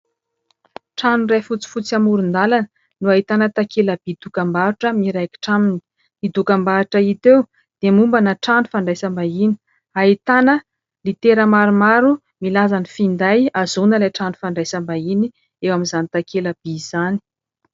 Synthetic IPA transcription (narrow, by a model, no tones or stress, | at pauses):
ʈ͡ʂanurefut͡si̥fut͡samuɾund̪alanə | nuait̪anət̪akʰelab̥id̪ukambauʈ͡ʂəmiɾajki̥ʈ͡ʂamini̥ | id̪ukambaʈ͡ʂəit̪ew | d̪̥emumbanəʈ͡ʂanufaɳɖ͡ʐajsambaini̥ | aɦit̪anə | lit̪eɾəmaɾumaɾu | milazanifind̪ajazunəlaʈ͡ʂanu̥faɳɖ͡ʐajsambaini | ewamizanit̪akʰelab̥iz̥ani̥